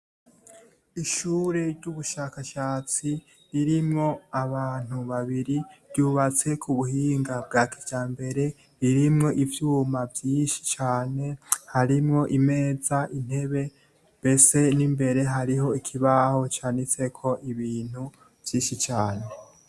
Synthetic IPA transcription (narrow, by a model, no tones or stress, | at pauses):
iʃuːɾe̞ɾɟuβuʃakaʃaːt͡si | ɾiɾimŋo̞aβaːn̥uβaβiɾiɾjuːβat͡se̞kʰuβuhiːŋɡab̚ɡakiɟaːmbe̞ɾe̞ | ɾiɾimŋo̞ʔivjuːmavjiːnʃi̥t͡ʃaːne̞haɾimŋo̞ʔime̞ːzaʔin̥he̞βe̞ | mbe̞se̞nimbe̞ɾe̞ɦaɾiɦo̞ikʰiβaho̞t͡ʃaːnit͡se̞kʰo̞ʔiβiːn̥hu | v̥jiːnʃit͡ʃaːne̞